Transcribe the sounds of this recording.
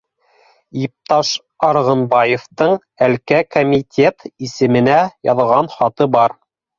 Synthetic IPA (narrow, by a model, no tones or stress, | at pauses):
ip̚t̪ɑʃ | ɑɾʁɤ̆nbɑjeft̪ɤɴ | ælkækomʲit̪ʲe̞t̪isɘ̆mɘ̆næjɑðʁɑnχɑt̪ɤbɑɾ